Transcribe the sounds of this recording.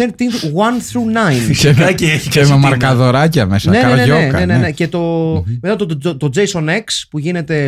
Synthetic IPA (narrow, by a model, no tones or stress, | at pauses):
ent̪iŋt̪wɐnθɾunɐjnemɐcieçiememɐɾkɐðo̞ɾɐcɐmesɐneeneʝoekɐenenece̞t̪o̞met̪ɐt̪ot̪od͡zejsonekspuʝine̞t̪e̞